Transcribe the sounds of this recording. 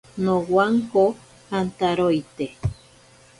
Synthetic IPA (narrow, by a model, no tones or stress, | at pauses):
nõwaŋko | hant̪aɾojt̪e